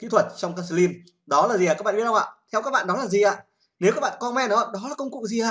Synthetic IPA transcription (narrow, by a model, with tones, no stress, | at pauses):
kḭ˧˥t̪ʰwə˨˩t̚t͡ɕɔ˧wŋ͡mkaː˧sli˧n | ɗɔ˨˦laː˨˩zi˨˩˨aː˨˩kaː˦˥ɓaː˧˨˩ɗʔaː˧˨t̪ʰɛ˧wkaː˦˥ɓa̰ː˧˨ɗɔ˨˦laː˨˩zi˨˩ʔaː˧˨ | ne˨˦wkaː˦k̚ɓa̰ː˧˨kɔ˧mɛ˧nə˨˦waː˧˩ɗɔ˨˦la˨˩kə˧wŋ͡mkṵ˨˧˨ŋzi˨˩ʔaː˧˨